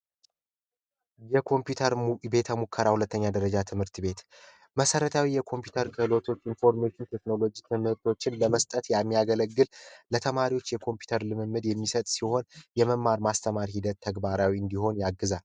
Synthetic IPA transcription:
jɛkʰo̞mpjut̪ʰəɾbe̞t̪ʰəmukʰːəɾahulət̪ːəɲːad̪əɾəd͡ʒat̪ʰɨmhɨɾt̪ʰɨbe̞t̪ | məsəɾət̪ʰawijɛkʰo̞mpjut̪ʰəɾkʰɨhɨlo̞t̪ʰo̞t͡ʃːinfo̞ɾmeʃːɪnt̪ʰe̞kno̞lo̞d͡ʒit̪ʰemhɨɾt̪ʰo̞t͡ʃːɪnləməst̪ʼət̪jamːijaɡələɡːɨllət̪ʰəmaɾiwo̞t͡ʃːjɛkʰo̞mpju̥t̪ʰəɾlɨmɨmːɨd̪jɛmːisət̪ʼsiho̞njɛməmːaɾmast̪ʰəmaɾhid̪ət̪ʰːəɡbaɾawiɨnd̪iho̞njaɡːɨzal

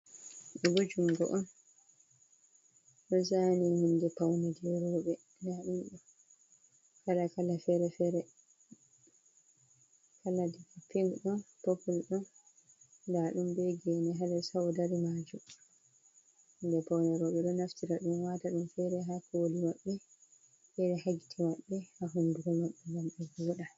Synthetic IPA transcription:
ɗɔɡod͡ʒumɡɔ̰ʔɔn | ɗɔzanihindɛpawnɛdɛɾɔːɓɛ | ndaɗumɗɔ | kalakalafɛɾɛfɛɾɛ | kaladikapːiŋɡɗɔnpopːulɗɔn | daɗumbɛɡɛnɛɦalɛsawɔdaɾimad͡ʒu | ndɛpawnɛɾɔɓɛɗɔnaftiɾaɗumwataɗumfɛɾɛɦakɔwolimaɓːɛ | fɛɾɛhaɡi̥tʰimaɓːɛhaɦunduɡɔmaɓːɛŋɡamɓɛɡɔɔɗa

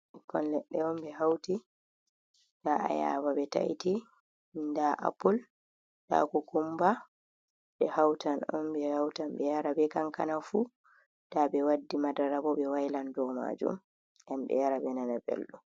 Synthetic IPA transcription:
kɔ̰nlɛɗːɛɔmbɛɦawti | daa̰ja̰babɛta̰jti | ndaʔa̰pul | da̰kɔkumba | bɛhawtanɔnbɛhawtamɓɛjaɾabɛkaŋkanafu | d̥abɛwadːimadaɾabɔbɛwajlandɔma̰d͡ʒṵm | ʔamɓɛ̰jaɾabɛnanabḛlɗu

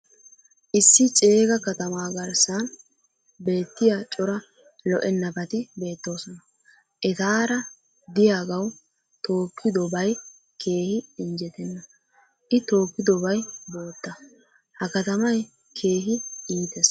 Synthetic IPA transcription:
ʔɪsːɪt͡ʃʼeːɡɐkɐt̪ɐmaːɡɐɾsɐn | be̞ːt̪ːɪjat͡ʃʼɔɾɐ | lɔʔɛnːɐpɐt̪ɪbe̞ːt̪ːo̞ːsɔnɐ | ʔɛt̪aːɾɐ | d̪ɪjaːɡɐw | t̪o̞ːkʰːɪd̪ɔbɐj | kʰe̞ːhɪɪnd͡ʒɛt̪ɛnːɐ | ʔɪt̪o̞ːkːɪd̪ɔbɐjbo̞ːt̪ːɐ | hɐkɐt̪ɐmɐj | kʰe̞ːɦɪiːt̪ɛs

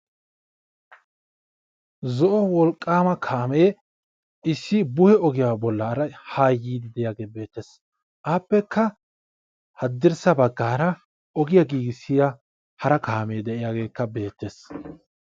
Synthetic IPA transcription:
zɔʔɔwɔlkʼːaːmɐkʰaːmeː | ɪsːɪbʊhɛɔɡɪjaːbɔlːɐɾɐhaːjːiːd̪ɪd̪ɛjaːɡe̞ːbe̞ːt̪ːes | ʔaːpːɛkːɐ | hɐd̪ːɪɾsɐbɐɡːaːɾɐ | ɔɡɪjɐɡiːɡɪsːɪja | hɐɾɐkaːme̞ːd̪ɛʔɪjaɡe̞ːkːɐbe̞ːt̪ːe̞s

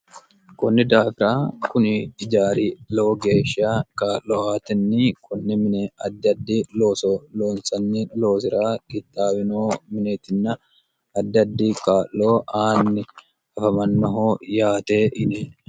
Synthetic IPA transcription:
kʊnːɪd̪aːfɪɾaːkʊnɪɪd͡ʒaːɾiːlo̞ːɡeːʃaːkaːlːoaːt̪ɪnːikʰʊnːɪmɪnɛɐd̪ːɐd̪ːiːloːsɔloːnsɐnːilo̞ːs̬ɪɾaːkʼɪt̪ʼːaːwɪnoːmɪneːt̪ɪnːɐ | ɐd̪ːɐd̪ːiːkaːlːo̞ːʔaːnːɪ | ɐfɐmɐnːɐɦoːjaːt̪eːʔɪnɛ

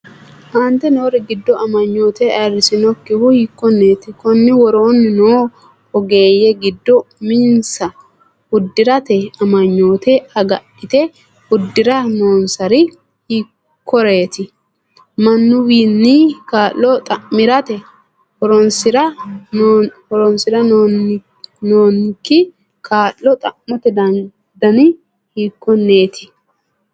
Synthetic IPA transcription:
haːnt̪ɛnoːɾɛɡɪd̪ːɔɐmɐɲːo̞ːt̪ɛɐɾɪsɪnɔkːɪwʊhɪkːɔnːeːt̪ɪkɔnːɪwɔɾoːnnoː | ɔɡeːjɛɡɪd̪ːɔmɪnsɐ | ʊd̪ːɪɾɐt̪ɛɐmɐɲːo̞ːt̪ɛɐɡɐɗɪt̪ɛ | hʊd̪ːɪɾɐno̞ːnsɐɾɪ | hɪ | kʰːɔɾeːt̪ɪ | mɐnːʊwiːnːikaːʔːɔt̪ʼɐʔmɪɾɐt̪ɛ | hɔɾɔnsɪɾɐ | hɔɾɔnsɪɾɐ | noːnkːɪ | kʰaːlːɔt̪ʼɐʔmɔt̪ɛd̪ɐn | d̪ɐnɪ | hiːkːɔneːt̪ʰɪ̥

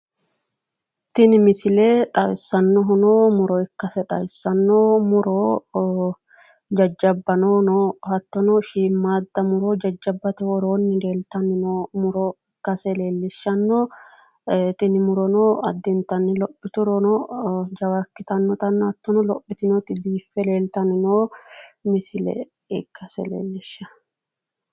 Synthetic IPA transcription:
t̪ɪnɪmɪsɪlet̪ʼɐwɪsːɐnːɔɦʊnoːmʊɾɔɪkːɐsɛt̪ʼɐ̰wɪsːɐnːoːmʊɾoː | d͡ʒɐd͡ʒːɐbːɐnoːnɔhɐt̪ːɔnɔʃiːmːaːd̪ːɐmʊɾoːd͡ʒɐd͡ʒːɐbːɐt̪ɛwɔɾoːnːɪle̞ːlt̪ɐnːɪnoːmʊɾoː | kːɐsɛle̞ːlːɪʃːɐnːɔ | t̪ʼɪnɪmʊɾɔnoːɐ̰d̪ːɪnt̪ɐnːɪlɔpːɪt̪ʊɾɔnɔd͡ʒɐwɐkːɪt̪ɐnːɔt̪ɐnːɐt̪ːɔnɔlɔpːɪt̪ɪnot̪ʼɪd̪iːfːɛle̞ːlt̪ɐnɪnoːmɪsɪlɛ̰ | ɛkːɐsɛ̰lḛːlːɪʃːɐ

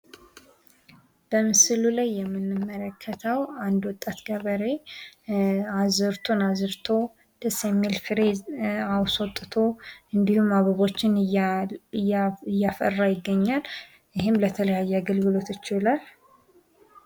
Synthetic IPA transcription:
b̥əmɨsɨlulajːɛmːɨnːɨmːələkʰːət̪ʰəwand̪wɔt̪ʼːat̪ɡəβəɾe̞ | azɨɾt̪ʰonazɨɾt̪ʰo̞ | d̪̥əsɛmelfɨɾeawsot̪ʼːɨt̪ʰo̞ɨnd̪ihumaβaβo̞t͡ʃːɪn | jːafə̰rːajɪɡːəɲːal | jɪɦɪmlət̪ʰələjajːɛaɡəlɡɨlo̞t̪ɪt͡ʃːɪlal

